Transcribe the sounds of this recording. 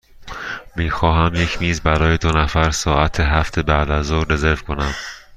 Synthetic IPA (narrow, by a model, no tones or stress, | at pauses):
miːxɒːɦæmje̞cʰmiːzbæɾɒːjed̪onæfæɾsɒːæt̪ʰeɦæft̪ʰebæʔd̪æzoːe̞ze̞ɾvkʰo̞næm